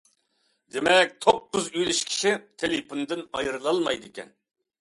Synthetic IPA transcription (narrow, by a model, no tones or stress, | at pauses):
d̪emɛk̚ʲt̪ʰopːʊzyjlyʃkʲʰi̥ʃit̪ʰelepʰond̪ɨnɑ̰jɾɨlˠɑlˠmɑjd̪ɨkʲɛ̰n